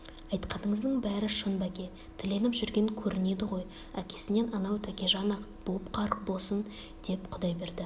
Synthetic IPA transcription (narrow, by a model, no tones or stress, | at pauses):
ɑjt̪qɑnəɴəzd̪əɴbæɾɪʃənbækʲe̞ | t̪ʰɪle̞nɪpʒʏɾɡʲe̞ŋkʲʰɵɾʔɪne̞d̪ɪʁo̞j | ækʲʰe̞̥sɪne̞nɑnɑwt̪ʰækʲe̞ʒɑnɑq | b̥opqʰɑɾbo̞lˠsən | d̪̥e̞pqʰʊd̪ɑjbe̞ɾd̪ɪ